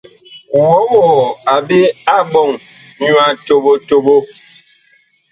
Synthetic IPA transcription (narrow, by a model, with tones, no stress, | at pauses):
wɔ˨˦wɔ˨a˨be˦a˦bɔ˦˨ŋ | ɲwa˨to˨bo˦to˦bo˦